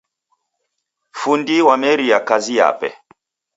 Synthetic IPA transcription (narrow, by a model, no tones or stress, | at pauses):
fundiwamɛɾijakazija̰pɛ̰